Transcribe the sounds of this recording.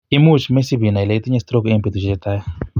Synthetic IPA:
i˦mu˦t͡ʃme˦si˦bi˨na˨i˨le˨i˦t̪i˦ɲe˦st̪ɾo˦ke˦mpi˨t̪u˨t͡ʃiet̪a˦ja˦

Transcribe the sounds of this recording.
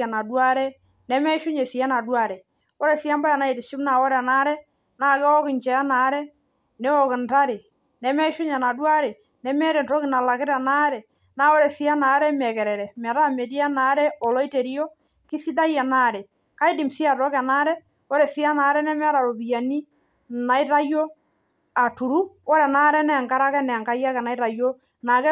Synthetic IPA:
a˨na˨dwa˦ɾɛ˦ | nɛ˨˦mɛ˦ʃʊ˦ɲɛ˨sɪ˨ja˦na˨dwa˦ɾɛ˨ | ɔ˦ɾɛ˨sɪ˦a˦mba˦ja˨na˨˦i˨tɪ˨ʃɪ˦mna˨wɔ˦ɾɛ˨na˦ɾɛ˦ | na˦˨kɛ˦ɔ˦kɪ˨ɲt͡ʃɛ˨a˦na˨˦ɾɛ˦ | nɛ˦ɔ˨kɪ˨nta˦ɾɪ˨ | nɛ˨mɛ˦ʃʊ˦ɲɛ˨na˨dwa˦ɾɛ˨ | nɛ˨mɛ˦ɾɛ˨ntɔ˦kɪ˨na˨la˨kɪ˦ɾɛ˨na˦ɾɛ˨ | na˦ɔ˦ɾɛ˨sɪ˦a˦na˨˦ɾɛ˦mɛ˨kɛ˨ɾɛ˨ɾɛ˨mɛ˨ɾa˦˨me˨ti˦a˦naː˦ɾɛ˦ɔ˨lɔ˦i˦te˨ɾi˦jɔ˦ | kɪ˦si˦da˦jɛ˨na˦˨ɾɛ˨ | ka˦i˦di˨msi˦a˨tɔ˦kɛ˨na˦ɾɛ˦ | ɔ˦ɾɛ˨si˦a˦naː˨˦ɾɛ˦nɛ˦mɛ˦ɾa˨ɾo˨bi˨ja˨ni˦ | na˨i˦ɾa˦jo˦ | a˨tu˨ɾu˦ɔ˦ɾɛ˨naː˦ɾɛ˦nɛ˦a˨ŋka˦ɾa˦kɛ˦nɛ˨a˨ŋka˦ja˦kɛ˨na˨i˦ɾa˨jo˦ | na˨kɛ˦

